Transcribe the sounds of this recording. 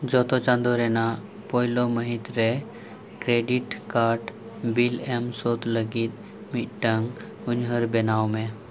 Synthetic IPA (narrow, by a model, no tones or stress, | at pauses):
d͡ʒɔːt̪ot͡ʃãnd̪oɾena | pɔɦɪloməɦit̪ɾɛ | kɾeːɖiʈkaːɾʈ | bilemsot̪ləɡit̪ | miʈʈəŋɡ | ʊɲɦəɾbenaːwmẽ